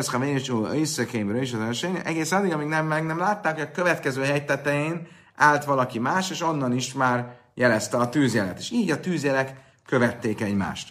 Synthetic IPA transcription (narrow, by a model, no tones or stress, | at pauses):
sχavenit͡ʃuøjsøkemɾøiʃɒzɛʃɛɲ̰ʔɛɡeːsɛnɒlːiɡɒmiɡnɛmːɛɡnɛmlaːt̪ːaːkhoɟɒkø̞vɛt̪kɛzøːɦɛjt̪ɛt̪ɛjeːn | aːlt̪ʋɒlɒkimaːʃeːʃo̞nːɒniʃmaːr | jɛlɛst̪ɛɒt̪yːzjɛlɛ̰t̪eːʃiːɟɒt̪yːzjɛlɛkː | ø̞vɛt̪ːeːkɛɟma̰ːʃt̪